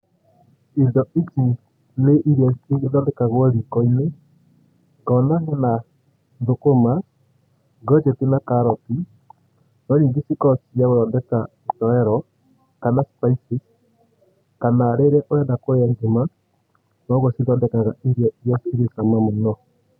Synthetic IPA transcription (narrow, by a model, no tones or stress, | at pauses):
endɔʔiti | neʔiɾɛðɔndɛkaɣaɾikɔine | ŋɡɔnaɣana | ðokoma | ɡɔd͡ʒɛtenakaɾɔti | nɔɾiːŋɡesikɔsiaɣoðɔndɛka | otɔɛɾɔ | kanaspaisis | kanaɾɛɾɛʔojadakoaɲd͡ʒoma | nɔɣɔsiðɔndɛkaɣaʔiɾjɔasiɾesamamɔnɔ